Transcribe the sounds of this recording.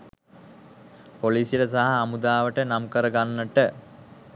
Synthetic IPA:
poliːsjiɾəsaɦaːmud̪aːʋəʈənamkəɾəɡanːəʈə

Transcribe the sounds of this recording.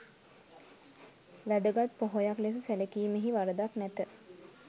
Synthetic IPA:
ʋæd̪əɡat̪̚poɦojakles̬əsælekiːmeɦiʋaɾəd̪aknɛt̪ə

